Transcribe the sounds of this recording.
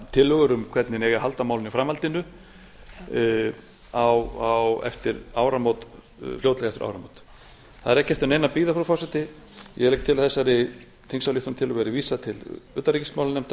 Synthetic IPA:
t̪ʰɪlːœɣʏɾʏmkʰvɛt̪nɪnɛɣahalt̪amaːwlɪnifɾamalt̪ɪnʏ | awawɛ̰ft̪ɪɾaːwɾamowt̪ | flowt̪lɛɣɛft̪ɪɾa̰wɾamowt̪ | θaðɛɾɛhcːɛft̪ʏɾnejnapiːðafɾɔfɔsɛt̪ɪ | jɛ̰ɣlejk̚t̪ʰɪlaθɛsːaɾɪ | θʰiŋsawliht̪ʏnt̪ʰɪlːʏɣɛɾɪviːsat̪ʰɪlʏːt̪aɾicɪsmawlanɛm̥t̪a

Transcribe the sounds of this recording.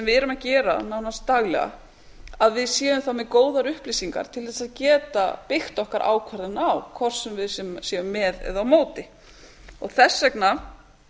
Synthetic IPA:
sɛmvɪðɛɾʏmacɛːɾa̰naːwnast̪t̪aɣlɛ̰ɣa̰ | aðvɪðsjɛːvʏmθawmɛðkoːwðaɾʏhplisiŋka̰ɾ̥t̪ʰɪlθɛsaðcɛːt̪a̰pɪxt̪ɔhkaɾʔa̰ːwkʰvaɾðɪnawkʰvɔr̥sɛmvɪðsɛmsjɛvʏmːɛðɛ̰ðawmoːwt̪ɪ | ɔɣθɛsːɛkna

